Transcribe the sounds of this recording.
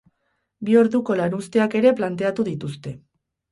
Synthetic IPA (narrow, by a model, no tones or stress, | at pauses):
bio̞ɾðuko̞laɾust̪e̞ake̞ɾe̞plant̪̬e̞at̪uðit̪ust̪e̞